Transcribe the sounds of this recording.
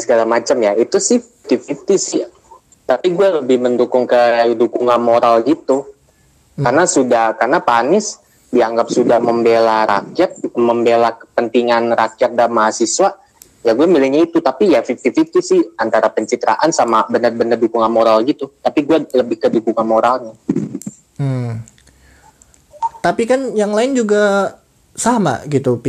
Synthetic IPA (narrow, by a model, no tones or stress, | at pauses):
səɡalamat͡ʃamjait̪usɪhfik̚t̪ifit̪isɪh | t̪apiɡuɛləbɪhməndukʊŋkədukuŋanmoɾalɡit̪u | karnasudahkarnapanɪs | diaŋɡap̚sudahməmbelaɾa̰kijat̪̚ŋməmbelakə̥pənt̪iŋanrakjat̪̚damaɦasiswa | jaɡuamilɪk̚ɲait̪ut̪apijafik̚t̪ifit̪ɪsɪhant̪aɾapəɲt͡ʃit̪ɾa̰ʔansamabənərbənərdukuŋanmoɾalɡit̪ut̪apiɡualəbɪhkədukuŋanmoɾalɲa | m̩ | t̪apikanjaŋlaɪnd͡ʒuɡa | sama̰ɡit̪upi